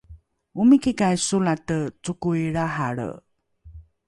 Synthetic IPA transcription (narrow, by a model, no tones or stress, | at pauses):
umikikajsulatət͡sukujiɭaɦaɭə̰